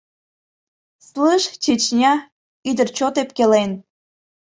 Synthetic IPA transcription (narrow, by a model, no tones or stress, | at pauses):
slɨʃt͡ɕet͡ɕnʲɑ | yd̪ərt͡ɕot̪ep̚kelen